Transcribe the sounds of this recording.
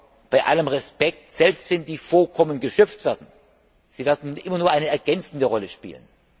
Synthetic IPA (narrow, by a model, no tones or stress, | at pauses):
b̥aɪʔa̰ləmʁɛspɛk̚tz̥ɛlpstv̥ɛndiːfokʰɔmənɡəʃœp͡ftv̥eːɐdn̩ | z̥iːvɪːɐdn̩ʔɪmɐnuːɐʔaɪnəɛɐɡɛnt͡sn̩dəʁɔləʃpḭːlə̰n